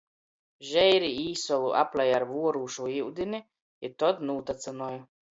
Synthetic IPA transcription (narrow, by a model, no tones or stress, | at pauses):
ʒɛjɾiiːsɔlˠuʔa̰plʲɛjaɾvuɔɾuːʃuiwd̪ini | it̪ɔd̪nuːt̪at̪sanɔɔju